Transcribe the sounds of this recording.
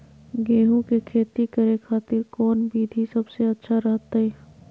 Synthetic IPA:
ɡeːɦũkekʰeːt̪ikɐɾekʰaːt̪ɪɾkɔːnbʱiːd̪ʱisɐbseɐtːʃʰaɾɐɦt̪aɛː

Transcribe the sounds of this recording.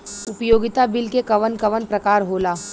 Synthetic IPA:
ʊpjoːɡɪt̪abɪlkekɐʋənkɐʋənpɾɐkaːɾɦoːlaː

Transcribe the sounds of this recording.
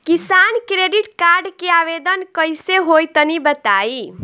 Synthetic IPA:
kisankɾeɖiʈkaɾɖkeaβed̪ənkəjseɦojt̪ənibət̪ai

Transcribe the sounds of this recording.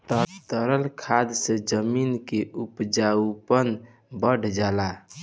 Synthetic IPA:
t̪ət̪əɾəlkʰad̪sẽd͡ʒəminkeʔupd͡ʒaupən | bəɖ̤ʱd͡ʒala

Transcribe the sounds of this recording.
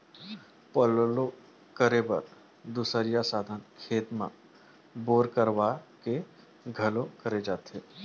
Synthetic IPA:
pəllo | kəɾebə̰ɾ | d̪ʊsəɾijasaːd̪ʱənkʰeːt̪mã̰ | boːɾkəɾwake | ɡʱɐlõkəɾed͡ʒaːt̪eː

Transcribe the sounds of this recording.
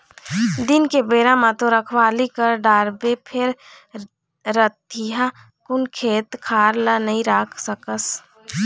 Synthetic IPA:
d̪ɪnkebeːɾãmãt̪oɾəkʰwaːlikəɾɖaːɾbepʰɪɾ | ɾət̪iɦa | kʊnkʰeːt̪kʰaːɾlənəɦĩɾaːkʰsəkəs

